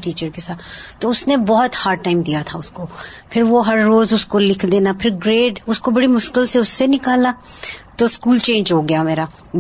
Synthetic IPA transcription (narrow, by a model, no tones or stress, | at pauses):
ʈiːt͡ʃəɾkesaːt̪t̪ːoʊsnebɔɦɔt̪haːɾɖʈːaːɪmd̪ijat̪ʰaʊskopʰɪɾʋoɦɐɾːoːzʊskolɪkʰd̪eːnapʰɪɾɡɾeːʈʊskobɐɽimʊʃkɪlseʊsːenɪkaːlat̪oskuːlt͡ʃẽːɲd͡ʒɦoːɡɐjameːɾa